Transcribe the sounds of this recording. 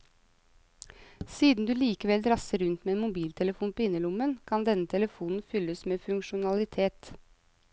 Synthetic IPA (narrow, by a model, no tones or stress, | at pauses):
siːd̪n̩d̪ʉːliːkəʋɛldɾɑsəɾʉnt̪meːeːnmʊbiːlt̪ʰɛləfuːnpʰoːɪnːəlʊmənkʰɑnd̪ɛnːət̪ʰɛləfuːnn̩fʏləsmeːfʉŋkʃʊnɑlɪt̪ʰeːt̪